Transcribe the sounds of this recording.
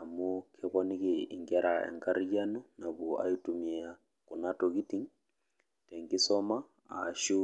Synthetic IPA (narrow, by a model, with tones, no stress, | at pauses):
a˨mu˦kʰɛ˦kɔnikiḭ˨ŋɡɛɾaɛ̰˨ŋɡaɾid͡ʒanu˦na˨bu˨a̰˦i˦tumia | ku˨natoɡi˦ti˦ŋ | tɛ˨ŋɡi˦sɔ˦ma˦ | a̰˨ʃu˦